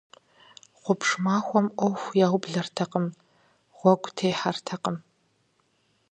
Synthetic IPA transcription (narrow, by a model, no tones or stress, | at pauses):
χʷʊpʂmaːxʷɔmʔʷɔwxʷjaːwbɮɐrtʰɐqəm | ʁ̥ʷɔɡʷtʰeːjħartʰɐqəm